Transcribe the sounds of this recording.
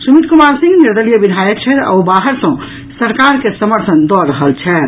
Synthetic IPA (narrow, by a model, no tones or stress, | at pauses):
sumit̪̚kumalsĩŋɡniɾd̪əlijəbinʱajək̚t͡ʃʰɛt̪a̰ubaɦəɾsə̃ | səɾkaɾkesəməɾt̪ʰənd̪ɔɾəɦəlt͡ʃʰɛ